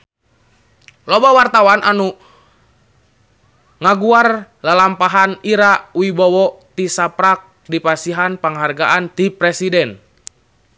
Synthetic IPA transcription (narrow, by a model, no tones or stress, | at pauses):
lɔbawart̪awanʔanu | ŋaɡuar | lalampaɦaniɾawibɔwɔt̪isapɾak̚ | dipasiɦanpaŋɦarɡaʔant̪ipɾɛsidɛn